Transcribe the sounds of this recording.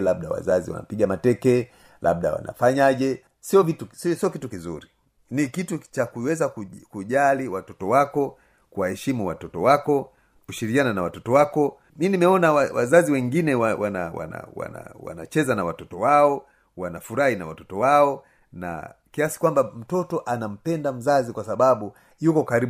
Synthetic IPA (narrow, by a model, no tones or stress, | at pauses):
laɓ̚ɗawa̰zaziwa̰na̰piɠamatɛkɛ | lʔa̰ɓ̚ɗa̰wa̰na̰faɲaʄɛ | siɔvitussiɔkitukizuɾi | nikitut͡ʃakuwɛzakukuʄaliwatɔtɔwakɔ | kuwahɛʃimuwatɔtɔwakɔ | kuʃiɾikiananawatɔtɔwakɔ | minimɛɔnawawa̰zaziwɛŋɡinɛwawana̰wa̰na̰wa̰na̰wa̰na̰t͡ʃɛzanawatɔtɔwaɔ | wanafuɾahinawatɔtɔwaɔ | na̰kiasi̥kwambam̩tɔtɔʔanam̩pɛndam̩zazikwasaɓaɓu | jukɔkaɾi